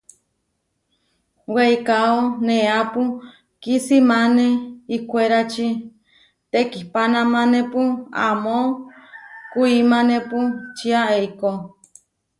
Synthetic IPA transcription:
weikaonẽapu | kisimaneikʷeɾat͡ʃi | t̪ekihpanãmãnẽpua̰mõ | kuimãnẽput͡ʃiaeiko

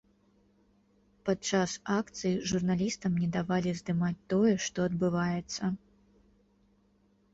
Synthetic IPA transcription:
patt͡ʂasakt̪sɨjiʐurnalʲist̪ɐmnʲɛd̪avalʲizd̪ɨmat͡sʲt̪ɔjɛʂt̪ɔɐd̪bɨvajɛt̪sːɐ

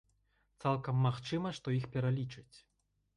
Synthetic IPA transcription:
t̪salˠkɐmːaxt͡ʂɨmɐʂt̪ɔixpʲɛɾalʲit͡ʂɨt͡sʲ

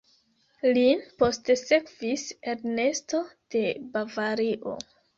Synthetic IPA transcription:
linpo̞stse̞kviseɾne̞sto̞d̥e̞bavaɾiʔo̰

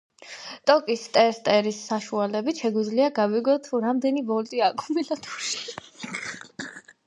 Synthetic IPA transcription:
t̪ʼɔkʼist̪ʼɛɾst̪ʼɛɾisːaʃualɛbit̪ʃɛɡwid̪zliaɡaviɡɔt̪ʰuɾamd̪ɛnibɔlt̪ʼiakʰʼumilat̪ʰuʃi̥

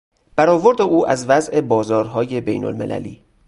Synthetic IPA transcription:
b̥æɾɒːvo̞ɾd̪e̞ʔuːʔæzvæzʔe̞bɒːzɒːɾɦɒːje̞bejno̰lme̞̰lʔæ̰lḭː

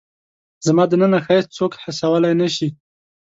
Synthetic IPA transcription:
zmɑd̪ənənaxɑjs̚t͡sokħasawəlajnaʃi

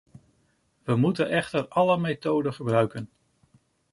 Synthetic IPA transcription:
ʋəmutənɛχtəɹɑləmejtowdəχəbrœɥkən

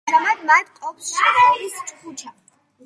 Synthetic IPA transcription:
ɾamad̪mat̪qʼɔpʰsist͡ʃʼkʰut͡ʃʰa

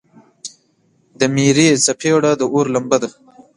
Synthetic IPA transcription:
d̪əmiːɾesapʰeɽad̪əʔoɾlambad̪a

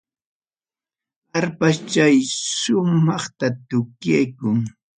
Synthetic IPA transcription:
haɾpast͡ʃajʃʊmɑχt̪at̪ʊkjajkʊŋ

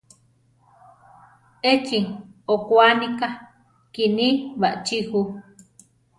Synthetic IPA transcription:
et͡ʃiokwanika | kinĩβaʔt͡ʃihu

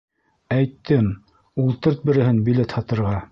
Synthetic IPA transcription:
æjt̪ːɘm | ulˠt̪ɤɾt̪̚bɘ̆ɾɘ̆ɦɘnbilet̪hɑt̪ɤ̆ɾʁɑ

